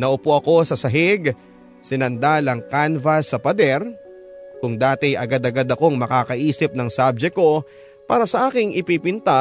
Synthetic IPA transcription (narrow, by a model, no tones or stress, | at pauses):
nɐʔʊpoʔɐko̞sɐsɐɦɪɡ | sɪnɐnd̪alɐŋkanvɐsːɐpɐd̪ɛɾ | kʊŋd̪aːt̪ɪjʔɐɡad̪ɐɡad̪ɐko̞ŋmɐkaːkɐʔiːsɪp̚nɐŋsab̚d͡ʒɛko̞ | paːɾɐsɐʔaːkɪŋʔɪpipɪnt̪a